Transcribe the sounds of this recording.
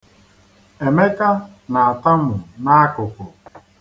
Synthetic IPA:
e˨me˦ka˦ | na˨a˨ta˦mʊ˨na˦a˦kʊ˨kʊ˨

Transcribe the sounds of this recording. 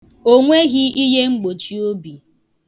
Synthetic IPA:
o˦ŋʷe˦ɣi˦ʔi˦ɦe˦ŋ͡m̩˦ɡ͡bo˨t͡ʃi˦o˦bi˨

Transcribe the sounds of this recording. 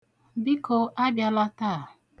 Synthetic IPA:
bi˦kʰo˨ʔa˦bja˨la˦taː˦˨

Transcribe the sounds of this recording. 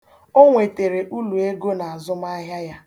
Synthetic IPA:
o˦ŋʷe˨te˨ɾe˨ʔu˦lu˨e˦ɡo˦na˨a˨zʊ˦m˦a˦ɦja˦ja˦

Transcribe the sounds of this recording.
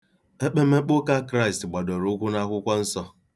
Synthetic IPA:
e˦k͡pe˦me˦k͡pʊ˦ka˦kɾa˦i˨stɡ͡ba˨dɔ˨ɾʊ˦kʷu˦na˦kʷʊ˦kʷa˦n̩˦sɔ˦

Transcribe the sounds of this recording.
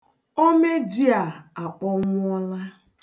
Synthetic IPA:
o˦me˦di˦a˨a˨k͡pɔ˦ŋʷʊ˦ɔ˦la˦

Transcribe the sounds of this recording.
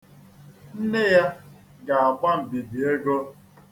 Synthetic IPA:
n̩˦ne˦ja˦ | ɡa˨a˨ɡ͡bʷa˦m̩˨bi˨bi˨e˦ɡo˦

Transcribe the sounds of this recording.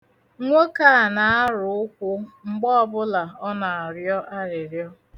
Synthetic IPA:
ŋʷo˦ka˦˨na˨a˦ɾʊ˨˦ʊ˦kʷʊ˦ŋ͡m̩˦ɡ͡bɔ˦ɔ˦bʊ˦la˨ɔ˦na˨a˨ɾjɔ˦ʔa˦ɾɪ˨ɾjɔ˦

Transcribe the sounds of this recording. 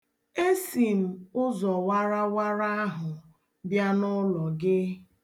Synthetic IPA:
e˦si˨m̩˨ʊ˦zɔ˨wa˦ɾa˦wa˦ɾa˦a˦ɦʊ˨ | bja˦nʊ˦lɔ˨ɡɪ˦

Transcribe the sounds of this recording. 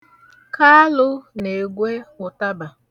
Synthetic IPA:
kʰa˦lʊ˦ne˨ɡʷe˦ʊ˨ta˦ba˨

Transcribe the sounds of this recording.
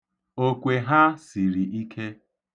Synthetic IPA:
o˦kʷe˨ɦa˦si˨ɾi˨i˦kʰe˦

